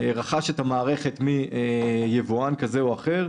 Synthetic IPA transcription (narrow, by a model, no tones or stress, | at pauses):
ʁaχaʃet̪hamaːʁe̞χe̞t̪miejevoankazeoaχe̞ʁ